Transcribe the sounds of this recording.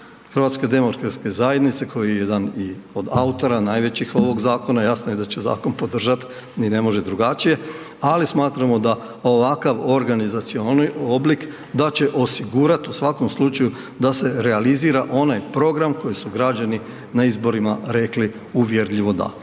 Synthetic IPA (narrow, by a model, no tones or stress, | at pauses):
xr̩ʋat̪ske̞d̪e̞mo̞kɾkɾat̪ske̞zaje̞d̪nit̪se̞kʰo̞jiejed̪anio̞d̪aut̪o̞ɾanaːjʋe̞t͡ɕixo̞ʋo̞ɡzaːko̞najasnoje̞d̪at͡ɕe̞za̰ːko̞npo̞d̪r̩ʒat̪ | nine̞mo̞ʒe̞d̪ɾuɡat͡ʃije̞ | alismaːt̪ɾamo̞d̪a | o̞ʋakaʋo̞ɾɡanizat̪sio̞nioblik | d̪at͡ɕe̞ʔo̞siɡuɾat̪usʋako̞mslˠut͡ʃaju | d̪ase̞ɾe̞aliziːɾaʔo̞najpɾo̞ɡɾamko̞jisuɡɾad͡ʑani | naizbo̞ɾimaɾe̞kli | uʋje̞ɾʎiʋo̞d̪a̰